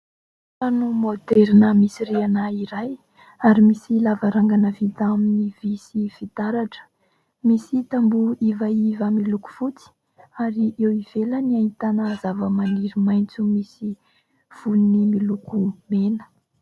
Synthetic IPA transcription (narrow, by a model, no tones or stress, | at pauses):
anumod̪eɾinəmisirianaiɾaj | aɾimisilavaɾaŋɡanəvit̪aminivisiv̥it̪aɾaʈ͡ʂə̥ | misit̪ambuivaivəmiluku̥fut͡si̥ | aɾiʔewiveləniait̪anazavəmaniɾimajnt͡sumisi | v̥unimilukumenə̥